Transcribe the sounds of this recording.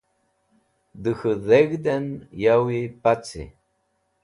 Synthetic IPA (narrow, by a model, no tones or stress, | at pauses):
d̪ɨxəðeɣd̪enjawipat͡sḭ